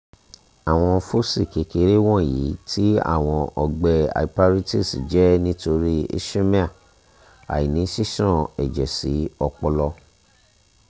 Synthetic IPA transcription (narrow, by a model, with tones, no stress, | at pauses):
a˨w̃ɔ̃˧fo˦si˦˨ke˨˧ke˧˦ɾe˦w̃ɔ̃˦˨jḭ˨˦tʰi˦a̰˦˨w̃ɔ̃˧ɔ˧ɡ͡bɛ˧a̰˨i˨pa˦ɾi˦ti˦˨si˨d͡ʒɛ˨˦nĩ˦to˧ɾi˦ḭ˦ʃe˦mẽ˦a˦˨ | a̰˨ji˨nĩ˨˦si˦ʃɔ̃˦˨ɛ˨d͡ʒɛ˨si˨˦ɔ˧k͡pɔ˧lɔ˧